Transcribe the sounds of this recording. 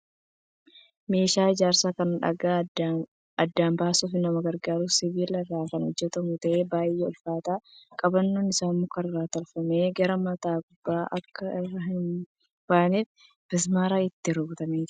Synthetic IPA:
me̞ːʃaːɪd͡ʒaːɾsaːkɐnᶑɐ̰ɡaː | ɐd̪ːaːmbaːsuːfɪnɐmɐɡɐɾɡaːɾʊsɪβiːlɐɡaːkɐnhɔd͡ʒːɛt̪ɐmʊt̪ɐʔeːbaːjɛɔlfaːt̪aːkʼɐbɐnːoːnɪsaːnmʊːkɐnɪrːaːt̪ɐlfɐmeːɡɐɾɐmɐt̪aːɡʊbːaːʔɐkʰːɐɪrːɐɦɪn | b̥aːneːf | b̥ɪs̬maːɾaːɪt̪ːɪɾɐɡʊt̪ɐmeːd͡ʒɪ

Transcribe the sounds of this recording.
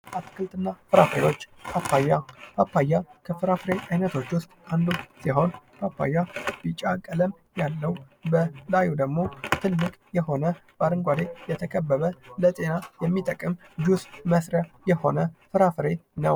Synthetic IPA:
at̪kʰɨlt̪ʼɨnːafɨɾafḛo̞t͡ʃːpʰapːajːapʰapːajːakʰəfɨɾafɨɾe̞ʔajnət̪ʰo̞t͡ʃːwʊst̪ʼand̪usiɦo̞npʰapʰːa̰jːab̥it͡ʃʼakʼələm | jalːəwu | bəlajud̪əɡmo̞t̪ʰɨlːɨkʼjɛho̞nəb̥aɾɨŋɡʷad̪ejɛt̪ʰəkʰəbːəβələt̪ʼe̞najɛmːit̪ʼəkʼɨmd͡ʒusməsɾəjɛho̞nəfɨɾafɨɾena

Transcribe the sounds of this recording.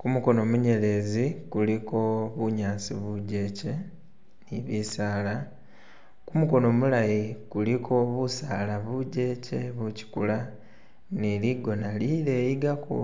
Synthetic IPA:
kumuko̞no̞muɲe̞le̞zikuliko̞βuɲaːsḭβuɟe̞ːce̞ | niβisaːla | kumuko̞no̞mulajikulikʰo̞βusaːlaβuɟe̞ːce̞βuci̥kula | niliɡo̞naliɾeːjiɡako̰

